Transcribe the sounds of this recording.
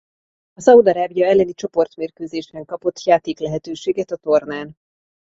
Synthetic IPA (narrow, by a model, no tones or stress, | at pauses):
ɒsɒud̪ɒɾaːbijɒɛlːɛnit͡ʃo̞po̞rt̪meːrkøːzeːʒbɛŋkɒpo̞t̪ːjaːt̪eːklɛɦɛt̪øːʃeːɡɛt̪ɒt̪o̞rnaːn